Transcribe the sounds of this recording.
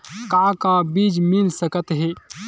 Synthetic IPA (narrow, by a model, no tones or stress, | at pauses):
kãːkãːbiːd͡ʒmilsɐkət̪ɦeː